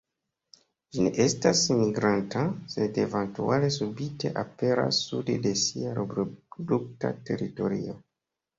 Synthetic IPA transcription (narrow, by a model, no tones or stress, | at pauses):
d͡ʒineʔestasmiɡɾantasedevantualesubitḛʔapeɾa̰sːuddesiaɾobɾoduk̚ta̰te̞ɾitoɾio